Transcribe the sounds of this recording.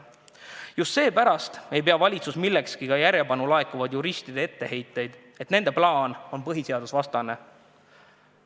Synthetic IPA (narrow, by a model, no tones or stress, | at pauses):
just̪se̞ːpæɾɑst̪e̞jp̬e̞ɑvɑlʲit̪susmilːekskikɑjæɾjepɑnulɑekuvɑd̪̥juɾist̪id̪e̞e̞t̪ːe̞he̞jt̪ːˑe̞jd̪̥ | et̪ne̞nd̪eplɑːno̞npɤɦise̞ɑd̪usvɑst̪ɑne̞